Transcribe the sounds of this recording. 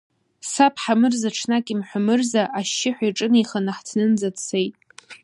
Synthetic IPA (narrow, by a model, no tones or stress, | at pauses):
sapʰħamɨrzaʈ͡ʂʰnakʼimħʷᶣamɨrzaʔaʃːɪħᶣʷaiʈ͡ʂʼɨnijχanaħt͡sʰnɨnd͡zatt͡sʰejtʼ